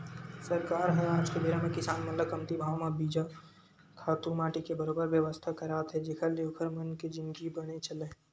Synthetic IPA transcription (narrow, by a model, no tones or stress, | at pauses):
sɐɾkaːɾɦɛaːd͡ʒkebeɾəmẽkɪsaːnmɐt̪ləb̚kɐmt̪ibʱaːʋmabiːd͡ʒa | kʰaːt̪umaːʈikebɐɾoːbəɾʋjəʋəst̪ʰakɐɾaːt̪ɦɛd͡ʒɪkʰəɾljoːkʰəɾmɐnked͡ʒɪnɡibɐɽ̃et͡ʃɐlẽ